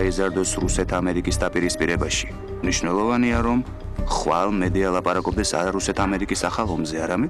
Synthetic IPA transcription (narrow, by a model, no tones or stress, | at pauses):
izaɾd̪ɔsɾusɛt̪ʰamɛɾikʼisd̪apʼiɾispʼiɾɛbaʃi̥ | mniʃnɛlˠɔvaniaɾɔm | χwalˠmɛd̪ialˠapʼaɾakʼɔb̚d̪ɛsa̰ɾaɾusɛt̪ʰamɛɾikʼisaχalˠɔmzɛaɾamɛ